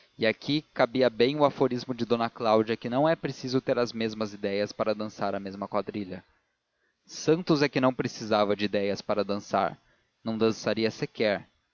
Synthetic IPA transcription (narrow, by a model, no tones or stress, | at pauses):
ɪakʰikabiɐbẽj̃ʊafoɾizmʊd͡ʒɪd̪õnɐklawd͡ʒɐkɪnɐ̃w̃ɛpɾesizʊt̪eɾɐzmezmɐzid̪ɛjɐspaɾɐd̪ɐ̃saɾɐmezmɐkwad̪ɾiʎɐ | sɐ̃nt̪ʊzɛkɪnɐ̃w̃pɾesizavɐd͡ʒɪid̪ɛjɐspaɾɐd̪ɐ̃sa̰ɾ | nɐ̃w̃d̪ɐ̃saɾiɐsɪkɛɾ